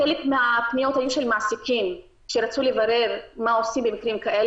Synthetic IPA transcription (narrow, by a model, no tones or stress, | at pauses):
elekmeapnijo̞thajuʃe̞lmasikim | kʃeʁat͡sulevaʁe̞ʁmao̞simbemikʁimkaʔe